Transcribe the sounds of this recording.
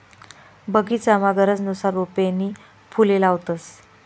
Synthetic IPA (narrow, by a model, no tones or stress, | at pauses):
bəɡit͡samaɡəɾət͡snusaɾːupeni | pʰulelawt̪əs